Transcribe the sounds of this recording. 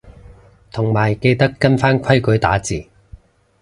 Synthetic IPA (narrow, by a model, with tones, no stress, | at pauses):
t̪ʰʊ˨˩ŋmaː˨˩jke˧jt̪ɐ˥kːɐ˥nfaː˥nkʷʰɐ˥jkɵ˨˥jt̪aː˨˥t͡siː˨˩